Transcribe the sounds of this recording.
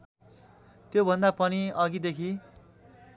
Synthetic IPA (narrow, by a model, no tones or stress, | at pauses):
t̪jobʱʌnd̪apʌniʌɡid̪ekʰi